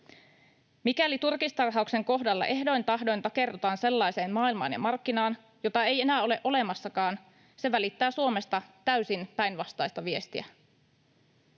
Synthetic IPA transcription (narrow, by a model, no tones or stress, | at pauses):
mikælit̪urkist̪ɑrɦɑukse̞ŋko̞ɦdɑlːɑ̰ʔe̞ɦdo̞jnt̪ɑɦdo̞jnt̪ɑke̞rt̪ot̪ɑːnse̞lːɑjse̞ːnmɑːilmɑ̰ːnjɑ̰mɑrkːinɑːn | jo̞t̪ɑe̞je̞næːo̞le̞ʔo̞le̞mɑsːɑkɑːn | se̞ʋælit̪ːæːsuo̞me̞st̪ɑt̪æysinpæjnʋɑst̪ɑjst̪ɑʋie̞st̪iæ̰